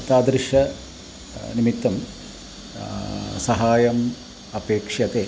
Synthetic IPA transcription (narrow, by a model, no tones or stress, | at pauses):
t̪aːd̪ɾiʂɐ | nimit̪ːɐm | sɐɦaːjɐm | ɐpeːkʂjɐt̪eː